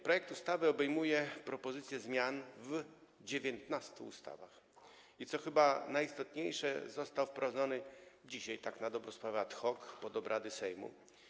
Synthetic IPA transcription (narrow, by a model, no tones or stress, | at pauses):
pɾɔjɛk̚t̪ust̪avɘɔbɛjmujɛpɾɔpɔzɘt̪sʲjɛzmʲjanvd͡ʑevʲjɛnt̪nast̪ṵːst̪a̰va̰x | it̪sɔxɘbanajist̪ɔt̪ɲejʂɛ̰zɔst̪awfpɾɔvad̪zɔnɘd͡ʑiɕajt̪aknad̪ɔbɾɔ̃spɾavɛat̪xɔkpɔd̪ɔbɾʔad̪ɘsɛjmṵ